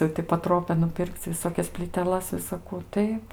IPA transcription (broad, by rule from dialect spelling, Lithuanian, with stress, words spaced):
jɛʊ tʲɪ pɐˈtroːpʲɛ nʊˈpʲɪrʲkʲt͡sʲ ʋʲɪˈsoːkʲɛs pʲlʲiːtʲɛˈlˠɐs ʋʲɪsɐˈkuː ˈtɐɪp